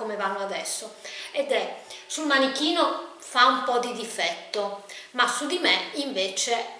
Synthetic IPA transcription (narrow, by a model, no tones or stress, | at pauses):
komevanːoad̪ɛsːoɛd̪ɛsulmanik̟iːno | faumpɔd̪id̪ifɛt̪ːomasːud̪imɛiɱveːt͡ʃe